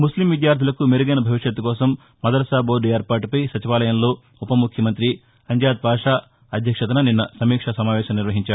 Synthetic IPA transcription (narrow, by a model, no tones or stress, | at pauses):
muslimʋid̪jaːɾd̪ʱilɐkumeɾuɡɐnɐbʱɐʋiʂjɐt̪ːukɔːsɐmː | ɐd̪ɐɾɐsaːboːɖueːɾpaːʈupɐjsɐt͡ʃiʋaːlɐjɐmlo̞ː | upɐmukʰjɐmɐnt̪ɾi | ɐɲd͡ʒaːd̪̚bʱaːʂaː | ɐd̪ʱjɐkʂɐt̪ɐnɐninːɐsɐmiːkʂɐsɐmaːʋɛːʃɐmniɾʋɐɦiɲt͡ʃaːu